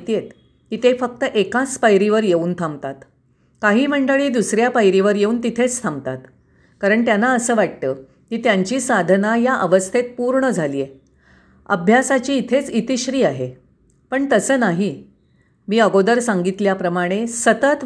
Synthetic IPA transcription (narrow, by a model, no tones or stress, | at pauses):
t̪ijet̪ | kiːt̪efək̚t̪əʔekat͡spajɾiʋəɾjeuːnt̪ʰamt̪at̪ | kaɦiːm̤əɳɖəɭiːd̪usɾjapajɾiʋəɾjeuːnt̪it̪ʰet͡st̪ʰamt̪at̪ | kaɾəɳt̪janːaəsəːʋaʈ̚t̪ə | kiːt̪jaɲt͡ɕiːsad̪ʱənajaʔəʋəst̪ʰet̪̚puɾɳəd͡zʱaliːje | ə̰bʱjasat͡ɕiːt̪ʰet͡sit̪iɕɾiːaɦe | pəɳt̪əsəːnaɦi | miːəɡod̪əɾsaŋɡit̪ljapɾəmaɽ̃esət̪ət̪